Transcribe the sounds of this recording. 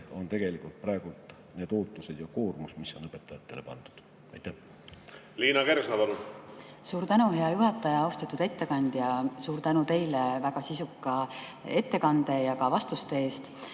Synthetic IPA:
o̞nt̪e̞ɡ̥e̞likˑult̪̚prɑeɡ̥ult̪ | ne̞ːd̪̥o̞ːt̪ːˑused̪̥jɑko̞ːrmusmiso̞nɤpːˑet̪ːˑɑjɑt̪ːe̞lepɑ̰nd̪̥u̥d̪̥ | ɑjt̪æh | liːnɑkeɾsnɑpɑlunsuːɾt̪ænuhe̞ɑjuɦɑt̪ːˑɑjɑɑwst̪ɑt̪ːˑud̪̥e̞t̪ːe̞kɑnd̪̥jɑsuːɾt̪ænut̪e̞jlevæɡ̥ɑsisukːˑɑe̞t̪ːe̞kɑnd̪̥e̞jɑkɑvɑst̪ust̪e̞eːst̪

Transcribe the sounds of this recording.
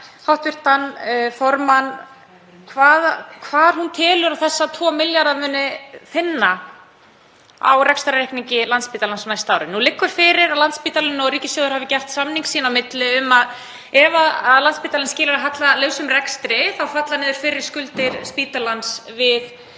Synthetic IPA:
hawht̪vʏɾ̥t̪anfɔɾman | kʰvaːðakʰvaːðɾ̥hunt̪ʰɪːlʏɾawθɛsːat̪ʰvɔːmɪljaɾðamʏːnɪfɪnːa | a̰wrɛkst̪aɾɾejhkniɲcɪlant̪spiːt̪alansnajst̪aːwɾɪ̰nulɪkːʏɾ̥fɪːɾɪɾaðlant̪spiːt̪alinːɔɾiːcɪsjowðʏɾhavɪcajft̪samniŋksiːnawmɪt̪lɪʏmað | ɛvaaðlant̪spiːt̪alɛnscɪːlɪɾaɦat̪lalœːwsʏmrɛkst̪ɾɪθawfat̪lanɪðɪɾ̥fɪːɾːɪɾ̥skʏlt̪ɪɾspiːt̪alansvɪð

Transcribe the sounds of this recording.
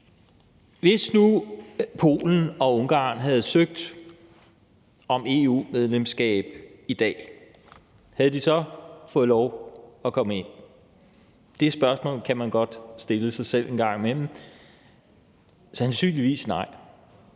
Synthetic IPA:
ʋe̝snupʰo̝̰ːln̩ɒ̽ɔ̽ŋɡ̥ɑ̰̈ːnɦæð̞̩ˠsøɡ̥̚d̥ | ɒ̽me̝ṵːmeð̞ˠlemsɡ̥ɛ̰ːb̥id̥ɛ̰ː | hæðˠd̥isɒ̽fɔ̽ːð̩ˠlɒʊɒ̽kʰɒ̽məe̝n̰ | d̥e̝sb̥ɶɐsmɔ̰̽ːlkʰæmænɡ̥ɒ̽d̥sd̥e̝ləsɑ̈ɪsel̰e̝nɡ̥ɑ̈ŋ̰medm̩ | sænsy̰ːnliʋḭːsnɑ̈ɪ̰

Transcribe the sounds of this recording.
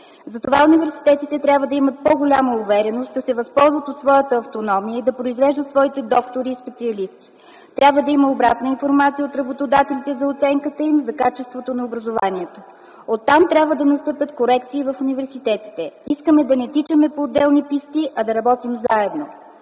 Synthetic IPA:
zɐt̪ovaunivɛɾsi̥t̪ɛt̪it̪ɛt̪ɾʲabvəd̪ɐimət̪̚poɡolʲaməuvɛɾɛnost̪̚d̪ɐsɛvɐspɔlˠzvət̪ot̪svɔjət̪əːft̪onɔmijəid̪ɐpɾoizvɛʒd̪ət̪svɔit̪ɛd̪ɔkt̪oɾiːspɛt̪siɐlist̪i̥ | t̪ɾʲabvəd̪ɐiməobɾat̪nəinfoɾmat̪sijəot̪ɾɐbot̪od̪at̪ɛlʲit̪ɛzɐot̪sɛŋkət̪əimzɐkat͡ʃɛst̪vot̪onɐobɾɐzova̰niɛt̪o | ot̪ːamt̪ɾʲabvəd̪ɐnɐst̪ɤpʲət̪koɾɛkt̪siːvɐfunivɛɾsit̪ɛt̪i̥t̪ɛiskəmɛd̪ɐnɛt̪it͡ʃəmɛpoːd̪ːɛlˠnipist̪iʔɐd̪ɐɾɐbɔt̪imzaɛd̪no

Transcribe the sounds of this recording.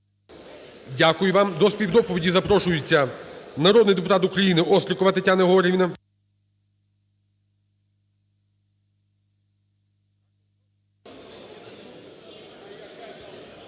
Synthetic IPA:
dʲakʊjʊʋɑmd̪ɔspʲiwd̪ɔpɔʋʲidʲizɐpɾɔʃʊjʊt͡sʲːɐnɐɾɔd̪nɪjd̪ep̬ʊt̪ɑt̪ʊkɾɐjinɪʔɔst̪ɾʲikɔʋɐt̪ɐtʲanɐɦɔɾʲiʋʲinɐ

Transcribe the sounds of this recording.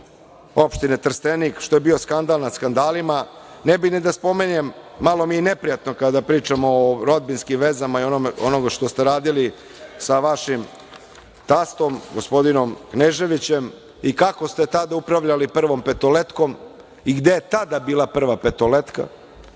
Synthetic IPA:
o̞pʃt̪inet̪r̩st̪enikʃt̪o̞je̞bio̞skand̪alˠnad̪skand̪aːlima | nebinid̪aspo̞meɲe̞mːalo̞miːne̞pɾijat̪nokad̪apɾiːt͡ʃamo̞ːɾo̞d̪̚binskimʋe̞zamaionomeonoɡaʃt̪ost̪eɾaːd̪ili | saʋaʃim | t̪ast̪o̞mɡo̞spo̞d̪ino̞mkneʒe̞ʋit͡ɕe̞m | ikako̞st̪et̪ad̪aupɾaʋʎalipr̩ʋo̞mpe̞t̪olet̪ko̞m | iɡd̪e̞jet̪ad̪abiːlˠapr̩ʋapet̪olet̪ka̰

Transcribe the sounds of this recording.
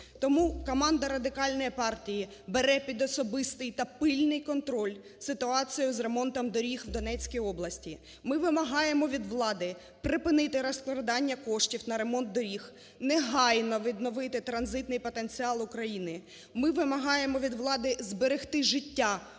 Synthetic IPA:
t̪ɔmukɔmɑnd̪ɐɾɐd̪ɪkɑlʲnɔjipɑrtʲiji | beɾɛpʲid̪ɔsɔbɪst̪ɪjt̪ɐpɪlʲnɪjkɔnt̪ɾɔlʲ | sɪt̪ʊɑt͡sʲijʊzre̞mɔnt̪ɔmd̪ɔɾʲixwd̪ɔnɛt͡sʲkʲijɔblˠɐsʲtʲi | mɪʋɪmɐɦɑjemɔʋʲid̪ʋlˠɑd̪ɪ | pɾɪpɪnɪt̪ɪɾɔsklˠɐd̪ɑnʲːɐkɔʃtʲiwnɐɾe̞mɔnt̪̚d̪ɔɾʲix | nɛɦɑjnɔʋid̪nɔʋɪt̪ɪt̪ɾɐnzɪt̪nɪjpɔt̪e̞nʲt͡sʲiɑlˠʊkɾɐjinɪ | mɪʋɪmɐɦɑjemɔʋʲid̪ʋlˠɑd̪ɪzbeɾɪxt̪ɪʒɪtʲːa

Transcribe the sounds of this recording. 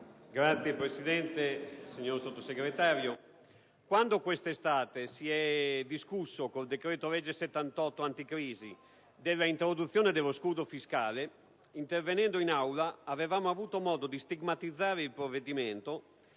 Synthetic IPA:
ɡɾat̪sːjepɾesid̪ɛnt̪esiɲːorsot̪ːoseɡɾet̪aːɾjo | kwand̪okwest̪est̪aːt̪esiɛd̪ːiskusːokold̪ekɾɛːt̪oɾɛd͡ʒːeset̪ːant̪ɔt̪ːoant̪ikɾiːzḭ | d̪elːaint̪ɾod̪ut̪sːjoːned̪elːoskuːd̪ofiskaːle | int̪ervenɛnd̪oinawlaːvevaːmoavuːt̪omɔːd̪od̪ist̪iɡmat̪id̪zːaːɾeilpɾovːed̪imɛnt̪o

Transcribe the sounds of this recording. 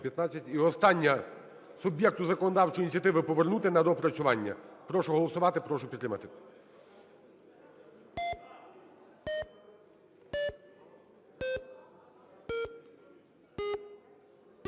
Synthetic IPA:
pʲjɐt̪nɑt͡sʲːɐtʲiɔst̪ɑnʲːɐ | sʊbʲjɛk̚t̪ʊzɐkɔnɔd̪ɑwt͡ʃʊinʲitʲt͡sʲjɐt̪ɪʋɪpɔʋernut̪ɪnɐd̪ɔpɾɐsʲʊʋɑnʲːɐ̰pɾɔʃʊɦɔlˠɔsʊʋɑt̪ɪpɾɔʃʊpʲit̪ːɾɪmɐt̪ɪ

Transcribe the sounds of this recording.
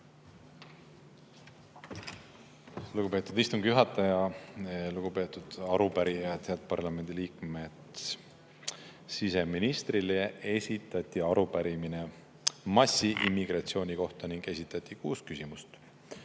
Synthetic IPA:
luɡ̥upe̞ːt̪ːˑud̪ist̪uŋɡ̥juɦɑt̪ːˑɑjɑ | luɡ̥upe̞ːt̪ːˑud̪̥ɑɾupæɾijɑjɑt̪heɑlt̪̚pɑrlɑme̞nd̪̥iliːkmet̪ | sise̞minist̪ɾilee̞sʲit̪ːˑɑt̪ʲːˑiɑɾupæɾimine | mɑsːiʔimːiɡ̥rɑt̪sio̞ːnʲiko̞ht̪ɑniŋɡ̥e̞sʲit̪ːˑɑt̪ːikuːskysimust̪

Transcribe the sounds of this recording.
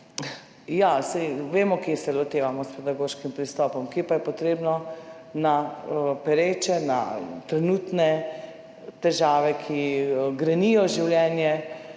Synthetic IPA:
jasɛjʋeːmɔkjesɛlɔt̪eːʋamɔspɛd̪aɡoːʃkimpɾist̪ɔːpɔmkepajɛpɔt̪ɾeːbnɔ | napɛɾeːt͡ʃɛna̰t̪ɾɛnuːt̪nɛ | t̪ɛʒaːʋɛkʰiɡɾɛnijɔʒiwljɛːnjɛ

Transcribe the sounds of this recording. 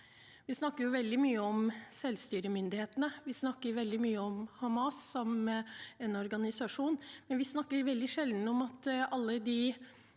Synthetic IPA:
ʋɪsnɑkːəɾjʊʋɛld̪ɪmyːəɔmsɛlst̪yːɾəmʏnd̪ɪheːt̪ənəʋɪsnɑkːəɾʋɛld̪ɪmyːəɔmhɑmɑsːɔmɛnɔɾɡɑnɪsɑʂuːnmɛnʋɪsnɑkːəɾʋɛld̪ɪʂɛld̪n̩ɔmɑt̪ʔɑlːəd̪ɪ

